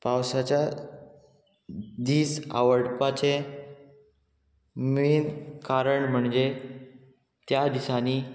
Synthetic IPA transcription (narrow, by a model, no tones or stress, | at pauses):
pawsat͡ɕja | d̪iːsa̰ʋəɽpat͡ɕe | miːnkaɾəɳm̤əɳd͡ʑe | t̪jad̪isaniː